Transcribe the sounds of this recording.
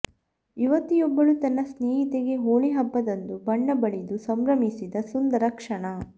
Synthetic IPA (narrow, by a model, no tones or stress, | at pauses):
iʋɐt̪ːijɔbːɐɭut̪ɐnːɐsneːɦit̪eɡe̞ɦoːɭiɦɐbːɐd̪ɐnd̪ubɐɳːɐbɐɭid̪usɐmɾɐmisid̪ɐsund̪ɐɾɐkʂɐɳɐ